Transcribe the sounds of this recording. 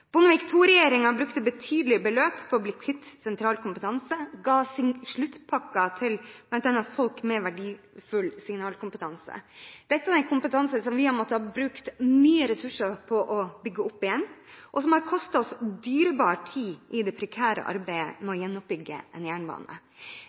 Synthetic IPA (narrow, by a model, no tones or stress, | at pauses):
b̥ʊnəʋɪkt̪ʰuːɾɛjeːɾɪŋɑbɾʉkt̪əbət̪ʰyːd̪əlɪbəløːpfɔɾɔblɪkʰɪt̪ːsɛnt̪ʰɾɑːlkʰʊmpət̪ʰɑnsəɡɑːsɪŋʂɭʉt̪ːpʰɑkːɑt̪ʰɪlb̥lɑnt̪ɑnːɑt̪fɔlkmɛʋæɖiː | fʉlsɪŋnɑːlkʊmpət̪ʰɑnsə̰d̪̥ɛt̪ːɑd̪ɛnkʰʊmpət̪ʰɑnsəsɔmʋɪɑmɔt̪ːəhɑɾbɾʉkt̪myːəɾɛsʉʂəɾpʰɔʔɔbʏɡːəʊpːɪjɛnːʔɔsɔmhɑɾkʰɔst̪ɑɔsd̪yːɾəbɑːɾʈʰiːʔɪd̪ɛpʰɾɛkʰæːɾə̰ʔɑ̰ɾbæɪə̰mɛɔjɛnːʊp̚bʏɡːə̰ɛnjæːɳbɑ̰ːnə̰